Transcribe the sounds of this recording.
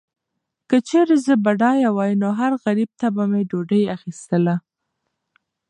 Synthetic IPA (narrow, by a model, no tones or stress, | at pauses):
kət͡ʃeɾezəbaɖɑjawɑjnoɦaɾɣaɾib̚t̪abameɖoɖəjaxist̪əla